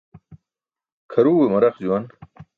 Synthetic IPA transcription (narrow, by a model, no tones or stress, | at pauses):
kʰɐɾuːwemɐɾɐqd͡ʑuwɐn